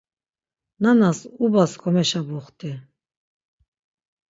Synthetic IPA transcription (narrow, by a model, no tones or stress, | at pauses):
nanasubaskʰɔmɛʃabɔχt̪ʰʼi